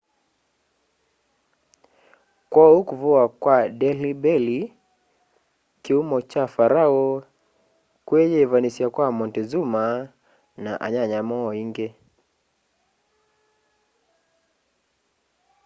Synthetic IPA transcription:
kwaukuvuakwadɛlibɛli | kiumɔt͡ʃafaɾaɔ | kwɛɲɛvanisiakwamɔntɛzuma | naʔa̰ɲaɲamɔiŋɡɛ

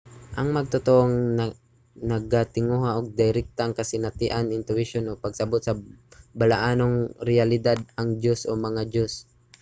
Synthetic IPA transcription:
ʔɐŋmɐɡ̚t̪ʊt̪oʔoŋn | nɐɡat̪ɪŋuɦaʔoɡ̚d̪ɪjɾɛk̚t̪aŋkɐsɪnat̪ɪʔanɪnt̪ʊɪʃonopɐɡsɐbot̪̚sɐbɐlaʔaːnoŋɾɪalɪd̪ad̪̚ɐŋd͡ʒosʔo̰mɐŋad͡ʒos

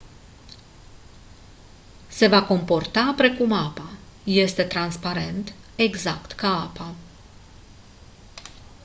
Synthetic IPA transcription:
se̞vako̞mpo̞rt̪apɾe̞kumapaje̞st̪e̞t̪ɾanspaɾe̞nt̪e̞ɡzakt̪kaapa

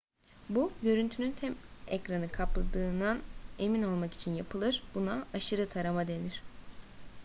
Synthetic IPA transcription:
buɟø̞ɾynt̪ʰynynt̪ʰɛmɛcɾanɯkʰaplˠad̪ɯːnd̪ane̞mino̞lˠmaki̥t͡ʃʰinjapʰɯlˠɯɾbunaaʃɯɾɯt̪ʰaɾamad̪e̞niɾ̥

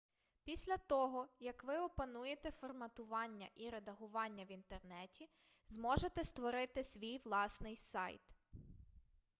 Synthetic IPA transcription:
pʲisʲlʲɐt̪ɔɦɔjɐkʋɪɔpɐnujet̪ɛfɔrmɐt̪ʊʋɑnʲːɐ̰ʔiɾed̪ɐɦʊʋɑnʲːɐʋint̪ernɛtʲi | zmɔʒet̪ɛst̪ʋɔɾɪt̪ɪsʲʋʲijʋlˠɑsnɪjsɑ̰jt̪

